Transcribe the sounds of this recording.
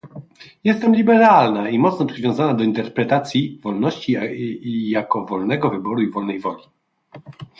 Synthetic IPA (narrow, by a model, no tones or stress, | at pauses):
jɛst̪ɛmlʲibɛɾalnaimɔt̪snɔpʂɘvʲjɔ̃w̃zanad̪ɔint̪ɛɾpɾɛt̪at̪sʲjivɔlnɔɕt͡ɕi | jakɔvɔlnɛɡɔvɘbɔɾuivɔlnɛjvɔlʲi